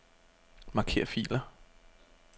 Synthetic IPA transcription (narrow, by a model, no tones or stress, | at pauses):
mɑ̈kʰe̝̰ːɐ̰fḭːlɐ